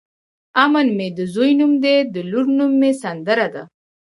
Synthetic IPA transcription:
amənmed̪əzujnumd̪ed̪əluɾnumːesɐnd̪əɾad̪a̰

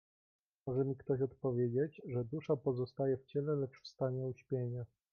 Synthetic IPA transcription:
mɔʐɛmʲikt̪ɔɕɔt̪pɔvʲjed͡ʑed͡ʑʐɛd̪uʂapɔzɔst̪ajɛft͡ɕɛlɛlɛt͡ʂfst̪aɲɛuɕpʲjeɲɛ

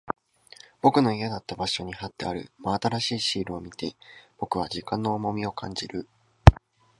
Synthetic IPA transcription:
b̥o̞kɯ̟no̞iad̪at̪ːabaɕo̞ɲ̟ihat̪ːe̞aɾɯ̟̰maat̪aɾaɕiːɕiːɾɯ̟o̞mʲit̪e̞b̥o̞kɯ̟β̞aʑikãnːo̞ːmo̞mʲio̞kʰãɲ̟d͡ʑiɾɯ̟

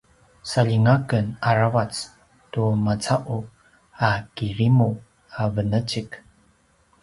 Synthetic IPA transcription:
saʎiŋakənaɾavat͡s | tumat͡saʔu | akiɾimu | avənət͡ʃik

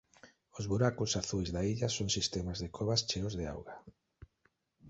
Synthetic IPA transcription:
ʊzβuɾakʊsaθujzðaiʎasoŋsist̪ɛmazðekʰɔβast͡ʃeʊzðea̰wɣa

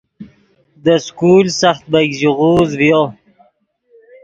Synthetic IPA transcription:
d̪əskulsaxt̪̚baɡziʁuzvjo

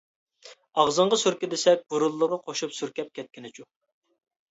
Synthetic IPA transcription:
ɑʁzəɴʁɑsyɾkʲid̪esɛk̚ʲbuɾulˠːəʁəqʰoʃupsyɾkʲɛp̚kʲʰɛt̪̚kʲɪnɪt͡ʃʰu

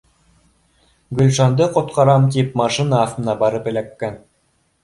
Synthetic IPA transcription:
ɡɵ̆lʲʃɑnd̪ɤqŏt̪̚qɑɾɑmt̪̬ipmɑʃinɑːft̪ɤ̆nɑbɑɾɤpɘ̆lækːæn

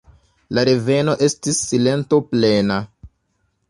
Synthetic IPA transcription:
laɾe̞ve̞no̞ʔe̞stisːile̞nto̞plena

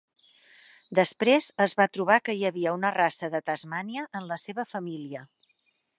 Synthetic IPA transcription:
d̪əspɾezəzβat̪ɾuβ̞akəjəβiəunərasəðət̪əzmaniəʔːnləseβəfəmiliə

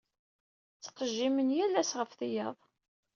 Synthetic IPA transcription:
t͡sːə̥qːəʒːimənjælːæsʁəfθijəðˤ

